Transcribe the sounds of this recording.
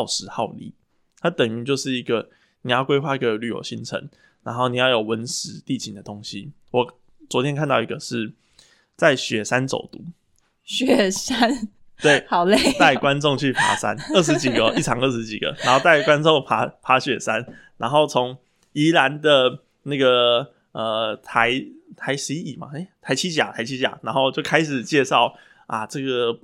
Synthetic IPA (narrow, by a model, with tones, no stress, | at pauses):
ɑ˥˩ʊʂɻ̩˧˥˦xɑ˥˧ʊlḭ˨˩ | t̪ʰa˥t̪ə˨˩ŋy˧˥t͡ɕjo˥˧ʊʂɻ̩˥˩i˧˥ɡə˨ | ni˨˩jɑ˥˩ʊkwe˥ɪxwa˥˧i˧˥ɡə˨˩ly˨˩jo̰˨˩ʊɕi˥˩ŋʈ͡ʂʰə̰˧˦ŋ | na˧˥nxo˥˩ʊni˨˩jɑ˥˩ʊjo˨˩ʊwə˧˦nʂɻ̩˧˥t̪i˥˨t͡ɕʰi˨ŋd̪ə˨t̪o˥˦ŋɕi˦ | wɔ˨˩ | t͡swɔ˧˥t̪ʰjɛ˥nkʰa˥˧nt̪ɑ˥˩ʊi˧˥ɡə˧ʂɻ̩˥˩ | t͡sa˥˩ɪɕɥɛ˨˩ʂa˦nt͡so̰˨˩ʊt̪u˨˥˦ | ɕɥɛ˨˩sa˥n | we˥˩ɪhʊle˥˨˩t̪a˥˩ɪkwa˦nʈ͡ʂo˥˧ŋt͡ɕʰy˥˩pʰa̰˧˥˦sa̰˦nə˥˩ʂɻ̩˧˦t͡ɕi˨˩ɡə˦i˥˩ʈ͡ʂʰɑ˨˦ŋə˥˩ʂ̬̩˧˥t͡ɕḭ˨˩ɡ̥ə̰˦na˨˧˦nxo˥˧ʊt̪a˥˩ɪkwa˦nt͡so˥˨ŋpʰa˧˥pʰa˧˥ɕɥɛ˨˩sa˦n | na˧˥nxo˥˩ʊt͡sʰʊ˧˦ŋ | i˧˥la˧˦nd̪ə˨ | na˥˩ɡə˩ | ə˨˩t̪ʰa˧˦ɪt̪ʰa˧˦ɪʂɻi˧˥i˦˥i˨˩ma̰˩e˥˩ɪt̪ʰa˧˥ɪt͡ɕʰi˥t͡ɕja̰˨˩t̪ʰa˧˥ɪt͡ɕʰi˦˥t͡ɕja̰˨˩˦na˧˥nxo˥˧ʊt͡ɕjo˥˩ʊkʰa˥ɪʂɻ̩˨˩t͡ɕjɛ˥˧ʂɑ˥˩ʊ | a̰˨ʈ͡ʂɤ˥˩ɡə˩